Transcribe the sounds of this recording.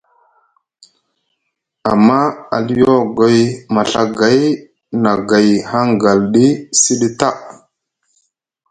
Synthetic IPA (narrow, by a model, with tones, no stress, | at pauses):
a˨mːa˦a̰˨li˦jo˦ɡo˨˦jma˨ɬa˦ɡa˨˦j | na˨ɡa˨jha˦ŋɡa˨lɗi˦si˦ɗi˦ta˦˨